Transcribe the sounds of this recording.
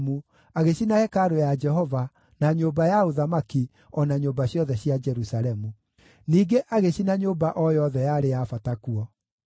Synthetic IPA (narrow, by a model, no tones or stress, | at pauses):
mu | aɣeɕinahɛkaɾojad͡ʒɛɦɔva | naɲoːbajaoðamaki | ɔnaɲoːbaɕjɔðɛɕjad͡ʒɛɾusaɾɛmu | niːɡeʔaɣeɕinaɲoːbaʔɔjɔðɛjaɾejafatakuɔ